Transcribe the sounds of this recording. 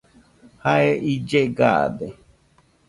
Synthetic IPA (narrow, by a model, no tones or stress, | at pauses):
haeʔid͡ʒeɡa̰d̪e